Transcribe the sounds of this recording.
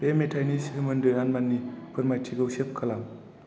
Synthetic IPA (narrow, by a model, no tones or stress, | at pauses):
pemetʰajnishɯmɯndɯjanmanːipʰɯɾmajtʰiɡɯwsep̚kʰalaŋ